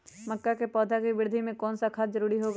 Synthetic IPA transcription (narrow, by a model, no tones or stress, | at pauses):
məkːakepɔːd̪ʱakibɪɾd̪ʱimẽkɔːnsakʰat̪zəɾuːɾiɦoːɡ